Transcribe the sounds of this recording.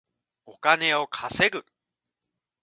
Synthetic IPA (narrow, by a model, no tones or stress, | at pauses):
o̞kane̞o̞kʰase̞ɡɯ̟